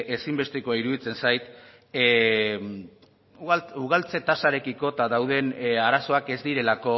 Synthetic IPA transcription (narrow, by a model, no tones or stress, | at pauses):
e̞simbe̞st̪ekoaiɾuðit͡se̞nsajt̪ | ɣuɣ̞alt͡se̞t̪asaɾe̞kiko̞t̪aðawðe̞naɾaso̞ake̞zd̪iɾe̞lako̞